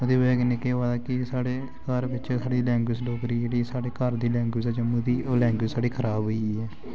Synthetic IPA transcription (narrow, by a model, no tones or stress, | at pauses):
ʊd̪eːʋɛːɡnɪkeːʋaːd̪aːkɪsaːɽeː | kəɾʋɪt͡ʃsaːɽiːlɛ̃ːŋɡwɪsloːkɾiːd͡ʒeːɽiːsaːɽeːkəɾd̪iːlɛ̃ːŋɡwɪd͡ʒɛːd͡ʒɪmːũːd̪iːolɛ̃ːŋɡwɪd͡ʒsaːɽiːkʰəɾaːbɦoiːɛː